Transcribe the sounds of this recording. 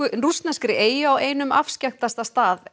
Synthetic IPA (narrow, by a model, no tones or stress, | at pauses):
ʏrust̪nɛskɾɪʔeːjɪaweːjnʏma̰fscaxt̪ast̪ast̪aːð